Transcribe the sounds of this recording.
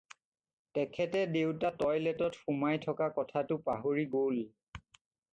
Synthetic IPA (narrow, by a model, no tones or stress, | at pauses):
tɛkʰɛtɛdewtatɔjlɛtɔtxumajtʰɔkakɔtʰatʊpaɦoɹiɡol